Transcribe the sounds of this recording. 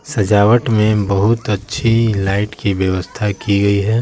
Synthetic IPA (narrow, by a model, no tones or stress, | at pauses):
sɐd͡ʒaːʋəʈmẽbɐɦʊt̪ɐtːʃʰilaːɪʈkibjəʋəst̪ʰakiɡɐiɦɛː